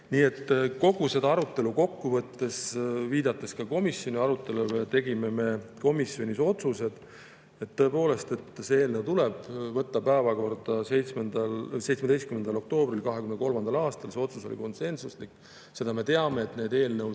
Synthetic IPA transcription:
niːe̞t̪ːko̞ɡ̥use̞d̪ɑɑɾut̪ːˑe̞luko̞kːuvɤt̪ːe̞sviːd̪̥ɑt̪ːˑe̞skɑko̞misjo̞nʲiɑɾut̪ːˑe̞luvejɑt̪e̞ɡime̞me̞ko̞misjo̞nʲiso̞t̪suse̞d̪̥ | et̪ːɤ̞e̞po̞ːle̞st̪e̞t̪ːse̞e̞ːlnewt̪ule̞b̥vɤt̪ːɑpæevɑko̞rd̪̥ɑse̞jt̪smend̪̥ɑlse̞jt̪smed̪ejst̪kymed̪̥ɑlo̞k̚t̪o̞ːbrilkɑɦekymnko̞lmɑnd̪̥ɑlɑːst̪ɑlse̞o̞t̪suso̞lʲḭko̞nse̞nsuslikː | se̞d̪̥ɑme̞t̪e̞ɑme̞ːt̪ne̞ːd̪e̞ːlnew

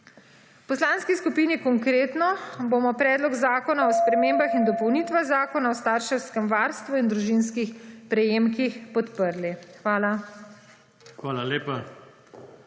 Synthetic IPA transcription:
pɔslanskiskupiːnikɔŋkɾeːt̪nɔboːmɔpɾɛːd̪lɔɡzaːkɔnaɔspɾɛmeːmbaxind̪ɔpɔwnit̪ʋaɣzaːkɔnaɔst̪aːɾʃɛwskɛmʋaːɾst̪ʋuind̪ɾuʒinskixpɾɛjeːmkixpɔt̪pəɾlixʋaːla | xʋaːlaleːpa

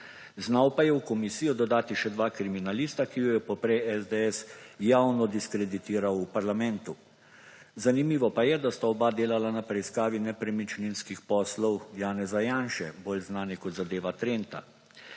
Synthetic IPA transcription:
znawpajɛwkɔmisiːjɔd̪ɔd̪aːt̪iʃɛd̪ʋaːkɾiminalist̪akijɔjɛpɔpɾɛjɛzd̪eɛsjaːwnɔd̪iskɾɛd̪it̪iːɾawupaɾlamɛnt̪u | zanimiːʋɔpajɛd̪ast̪aɔbad̪eːlalanapɾɛiskaːʋinɛpɾɛmit͡ʃninskixpɔːslɔwjaːnɛzajaːnʃɛboːlznaːnikɔt̪zad̪eːʋat̪ɾent̪a̰

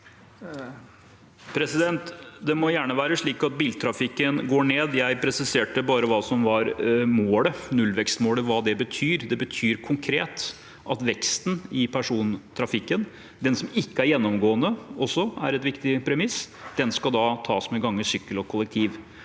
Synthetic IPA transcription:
pʰɾɛsɪd̪ɛnt̪d̪ɛmɔjæːɳəʋæːɾəʂɭiːkɑt̪̚biːlt̪ʰɾɑfɪkːənɡoːɳeːd̪jæɪpʰɾɛsɪseːʈəbɑːɾəʋɑːsɔmʋɑɾmoːlənʉlʋɛkst̪moːləʋɑːd̪ɛbət̪ʰyːɾd̪ɛbət̪ʰyːɾkʰʊŋkʰɾeːt̪ | ʔɑt̪ʋɛkst̪n̩ɪpʰæʂuːnt̪ʰɾɑfɪkːən | d̪ɛnsɔmɪkːəæɾjɛnːɔmɡoːənəɔsːɔæ̰ɾɛt̪ʋɪkt̪ɪpʰɾɛmɪsd̪̥ɛnskɑd̪ɑt̪ʰɑ̰ːsmɛɡɑŋːəsʏkːəlɔkʰɔlːɛk̚t̪ʰiːʋ

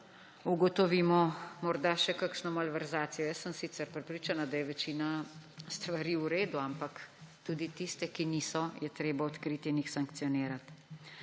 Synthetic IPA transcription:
uɡɔt̪ɔʋiːmɔmɔɾd̪aʃɛkakʃnɔmalʋɛɾzaːt̪sijɛjɛsəmsit̪sɛɾpɾɛpɾiːt͡ʃanad̪ajɛʋɛt͡ʃiːnast̪ʋaɾiːuɾeːd̪uampakt̪uːd̪it̪ist̪ɛkiniːsɔjɛt̪ɾeːbaɔt̪kɾiːt̪iːnixsaŋk̚t̪sijɔneːɾat̪

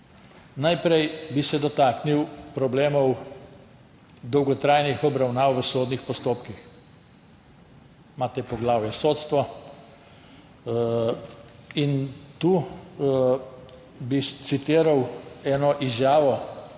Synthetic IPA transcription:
najpɾɛjbisɛd̪ɔt̪aːkniwpɾɔbleːmɔw | d̪ɔwɡɔt̪ɾajnixɔbɾawnaːwʋəsoːd̪nixpɔst̪oːpkix | maːt̪ɛpɔɡlaːwjɛsoːt̪st̪ʋɔ | int̪uː | bit̪sit̪iːɾawɛːnɔʔizjaːʋɔ

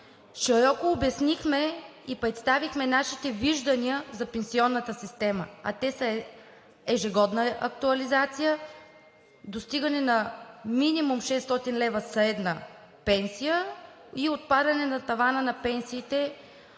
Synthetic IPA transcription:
ʃɛɾɔkoːbɛsnixmɛipɾɛt̪st̪avixmɛnaʃit̪ɛviʒd̪ɐniəzɐpɛnsiɔnːət̪əsist̪ɛmə̰ɐ̰t̪ɛsə | ɛʒɛɡɔd̪nəʔɐk̚t̪uɐlizat̪sijə | d̪ost̪iɡənɛnɐminimumʃɛsːt̪ɔt̪inlɛvəsɐɛd̪nə | pɛnsijə | iot̪̚pad̪ɐnɛnɐt̪ɐvanənɐpɛnsiːt̪ɛ

